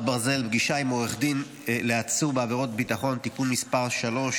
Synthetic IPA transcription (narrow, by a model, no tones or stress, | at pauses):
baʁze̞lbɡiʃaimoeχdin | leat͡subeaveʁo̞t̚bitaχo̞ntikunmispaʁʃalo̞ʃ